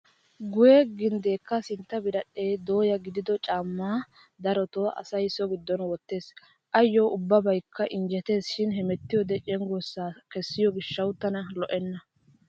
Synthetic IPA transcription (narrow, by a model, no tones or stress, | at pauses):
ɡʊjɛɡɪnd̪e̞ːkːɐsɪnt̪ːɐbɪɾɐɗːe̞ːd̪o̞ːjɐɡɪd̪ɪd̪ɔt͡ʃʼaːmːaː | d̪ɐɾɔt̪oɐ̰sɐjsɔɡɪd̪ːɔnwɔt̪ːe̞ːs | ʔɐjːɔʔʊbːɐbɐjkːɐʔɪnd͡ʒɛt̪e̞ːsʃɪnɦɛmɛt̪ːɪjɔd̪ɛt͡ʃʼɛŋɡɔsːaːkɛsːɪjɔɡɪʃːɐwʊt̪ːɐnɐlɔʔɛnːɐ